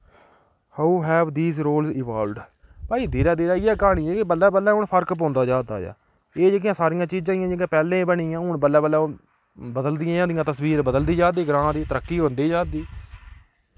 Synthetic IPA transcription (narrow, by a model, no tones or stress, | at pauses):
hauɦɛːʋd̪iːzɾoːlzɪːʋaːlɖ | paːiːd̪eːɾɛːd̪eːɾɛːɪjɛːkaːɽ̃iːɛːkɪbəlːɛːbəlːɛːɦʊɳpʰəɾkp̬õːnd̪aːd͡ʒaːd̪a̰ːd͡ʒa̰ː | eːd͡ʒeːk̬ɪjãːsaːɾɪjãːt͡ʃiːd͡ʒãːɪjãːd͡ʒeːkãːpɛːlẽːbəɽiːjãːɦʊɳbəlːɛːbəlːɛ̃ːʊ | bəd̪əld̪ɪjãːãːd̪ɪjãːt̪əswiːɾbəd̪əld̪iːd͡ʒaːd̪iːɡəɾãːd̪iːt̪əɾəkːiːɦõːnd̪iːd͡ʒaːd̪iː